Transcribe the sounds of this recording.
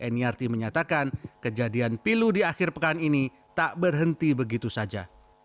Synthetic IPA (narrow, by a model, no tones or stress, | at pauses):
ʔɛniart̪iməɲat̪akankəd͡ʒadianpiludiaxɪrpəkanini | t̪aʔbərɦənt̪ibəɡit̪usad͡ʒa̰